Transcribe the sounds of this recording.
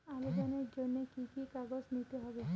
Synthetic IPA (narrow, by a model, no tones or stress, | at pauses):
aɾed͡ʒaned͡ʒonːekikikaɡɔsnit̪eɦɔbe